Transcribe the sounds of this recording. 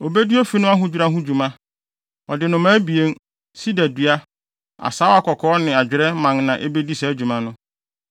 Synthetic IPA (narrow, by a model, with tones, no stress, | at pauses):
o˨be˦di˦o˦fi˦nʊ̃˦a˦ɦʊ̃˦d͡ʑᶣu˦ɾa˦ɦʊ̃˦d͡ʑu˨mã˦ | ɔ˨dɪ˨nʊ̃˨mãː˦bi˨e˦n | si˦dæ˨dɥa˦ | a̰˨saː˦a˦kʰɔ˨kʰɔː˨˦nɪ̃˨a˨d͡ʑᶣɪ˨ɾɛ˦mã˨ŋnã˨ʔe˦be˦di˦sɛ˨æ˦d͡ʑᶣu˨mã˦nʊ̃˦